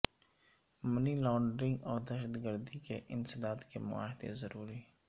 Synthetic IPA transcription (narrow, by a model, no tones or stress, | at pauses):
mənilɔ̃ːɳɖɾɪ̃ŋɡɔːɾd̪ɛːʃəd̪ɡəɾd̪ikeʔɪnsɪd̪aːd̪kemʊ̰a̰ːɦɪd̪ḛzəɾuːɾi